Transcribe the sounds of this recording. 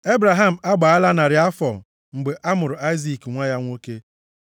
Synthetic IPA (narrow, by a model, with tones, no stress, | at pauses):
e˦bɾa˨ɦa˦m̩˨a˦ɡ͡ba˨a˦la˦na˨ɾɪ˨a˦fɔ̰˨ | ŋ͡m̩˨ɡ͡be˨ʔa˦mʊ˨ɾʊ˨a˦ɪ˦zi˦˨kŋʷa˦ja˦ŋʷo˦ke˦